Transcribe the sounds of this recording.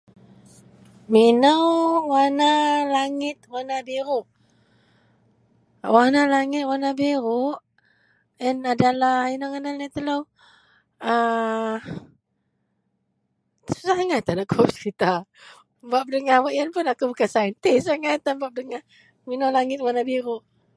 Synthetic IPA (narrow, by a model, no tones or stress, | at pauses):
minəwwanalaŋɪt̪̚wanabiɾʊʔ | wanalaŋɪt̪̚wanabiɾʊʔ | ənadalahinaŋanalat̪əlow | ə | saŋat̪anakʰɔpskit̪a | bap̚dəŋahwaʔjənpʊnakubukasaint̪isaŋat̪ːambap̚dəŋah | minawlaŋɪt̪̚wanabiɾuʔ